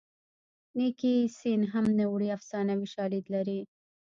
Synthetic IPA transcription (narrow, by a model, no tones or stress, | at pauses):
nikisinɦamnəwɽiafsɑnawiʃɑlid̪laɾi